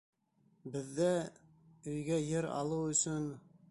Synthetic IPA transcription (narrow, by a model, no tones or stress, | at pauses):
bɘ̆ðːæ | ɵ̆jɡæjɘɾɑ̰lˠɤwɵ̆sɵn